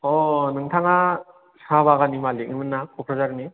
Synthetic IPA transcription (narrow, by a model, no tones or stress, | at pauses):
ɔnɯŋtʰaŋa | saβaɣanimaliɯmɯnːakʰɔkʰɾazaɾɯni